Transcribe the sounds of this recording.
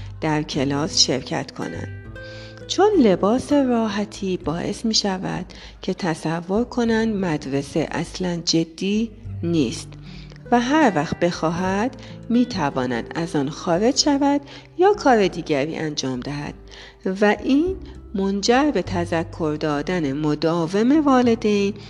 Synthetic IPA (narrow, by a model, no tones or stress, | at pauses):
d̪̥æɾcʰe̞lɒːsʃe̞̰ɾcʰæ̰t̪kʰo̞̰næ̰nd̪̥ | t͡ʃʰo̞nle̞bɒːse̞ɾɒːɦæt̪ʰiːbɒːʔe̞smiːʃævæ̰d̪̥ | cʰe̞t̪ʰæsævːo̞ɾkʰo̞nænd̪mæd̪ɾe̞se̞ʔæ̰slænd͡ʒe̞d̪ːiːniːst̪ | væɦæɾvæxt̪̚be̞xɒːɦæd̪̥miːt̪ʰævɒːnæ̰d̪æzɒːnxɒːɾe̞d͡ʒʃævæd̪̥ | jɒːkʰɒːɾe̞d̪iːɟæɾḭːʔæ̰nd͡ʒɒːmd̪æɦæ̰d̪̥ | væʔiːn | mo̞nd͡ʒæɾbe̞t̪ʰæzækʰːo̞ɾd̪ɒːd̪ænemod̪ɒːve̞me̞vɒːle̞d̪ejn